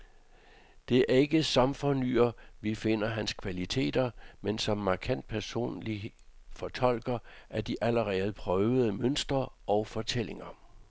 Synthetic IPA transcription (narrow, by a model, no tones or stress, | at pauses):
d̥e̝æɐe̝ɡ̥əsɑ̈mfɒny̰ːɐʋife̝n̰ɐɦænskʰʋælit͡sʰe̝̰ːd̥ɐmensɒ̽mːɑ̈kʰæn̰d̥̚pʰæɐso̝̰ːnli | fɒ̽t͡sʰɒ̽l̰ɡ̥ɐʔæɐd̥iʔæləʁɛːð̩ˠpʰʁœʊð̩ˠəmønsd̥ʁɐʔɒ̽ʊfɒ̽t͡sʰel̰e̝ŋɐ